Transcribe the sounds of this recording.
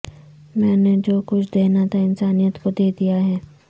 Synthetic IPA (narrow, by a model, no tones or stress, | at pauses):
mɛ̃ːned͡ʒoːkʊt͡ʃʰd̪eːnat̪ʰaɪnsaːnijət̪kod̪eːd̪ijaɦɛː